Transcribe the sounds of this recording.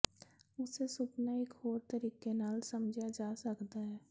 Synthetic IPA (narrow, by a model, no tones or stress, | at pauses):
ʊsesʊpnaekhoːɾt̪əɾiːkenaːlsɐmd͡ʒʱad͡ʒaːsəkd̪aɦɛː